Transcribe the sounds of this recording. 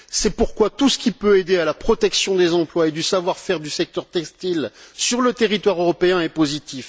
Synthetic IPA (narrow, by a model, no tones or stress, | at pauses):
sɛpuʁkwat̪usə̥kʲipøed̪ealapχɔt̪ɛksjɔ̃d̪ezɑ̃plwaed̪ysavwaʁfɛʁd̪ysɛk̚t̪œʁt̪ɛkst̪ilsyʁlət̪eʁit̪waʁøʁɔpeɛ̃ɛpozit̪if